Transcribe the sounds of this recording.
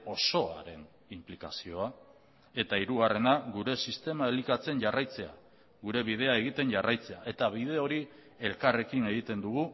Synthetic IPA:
o̞so̞a̰ɾe̞n | implikasio̞a | e̞t̪aiɾuɣare̞naɣuɾe̞sist̪e̞mae̞likat͡se̞nʝarajt͡se̞a̰ | ɣuɾe̞βið̞e̞ae̞ɣ̞it̪e̞nʝarajt͡se̞aʔe̞t̪aβið̞e̞o̞ɾi | e̞lkare̞kine̞ɣit̪e̞nd̪uɣ̞u

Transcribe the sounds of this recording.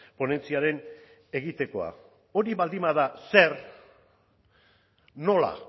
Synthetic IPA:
po̞ne̞nt͡siaɾe̞n | e̞ɣit̪e̞ko̞a̰ | o̞ɾiβald̪imaðase̞ɾ | no̞la̰

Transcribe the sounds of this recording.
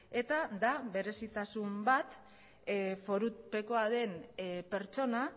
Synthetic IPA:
e̞t̪ad̪aβe̞ɾe̞sit̪asumbat̪ | fo̞ɾupe̞ko̞aðe̞npe̞ɾt͡ʃo̞na

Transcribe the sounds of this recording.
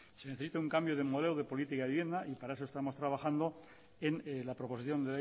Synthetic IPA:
se̞neθesit̪auŋkambjoðe̞moelwðepo̞lit̪ikaiβje̞nd̪aʔipaɾaes̬o̞st̪amo̞st̪ɾaβaxand̪o̞ | enlapɾo̞po̞siθjo̞nd̪ela

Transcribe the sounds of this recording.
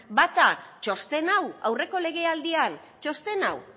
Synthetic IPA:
bat̪at͡ʃo̞st̪e̞nawa̰wre̞ko̞le̞ɣ̞e̞ald̪ian | t͡ʃo̞st̪e̞na̰w

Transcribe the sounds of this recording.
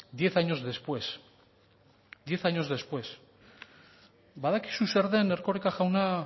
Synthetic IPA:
d̪je̞θaɲo̞zðespwe̞s | d̪je̞θaɲo̞zðe̞spwe̞s | baðaki̥suseɾðe̞ne̞ɾko̞ɾekaʝawna

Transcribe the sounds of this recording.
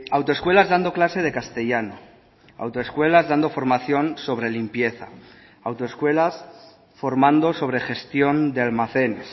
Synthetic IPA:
awt̪oe̞skwe̞lazðand̪o̞klase̞ð̞e̞kast̪e̞ʝano | a̰wt̪oeskwe̞lazðand̪o̞fo̞ɾmaθjo̞nso̞β̞ɾe̞limpje̞θa̰ | awt̪oeskwe̞las | fo̞ɾmãnd̪o̞so̞βɾe̞xe̞st̪jo̞nd̪ealmaθe̞ne̞s

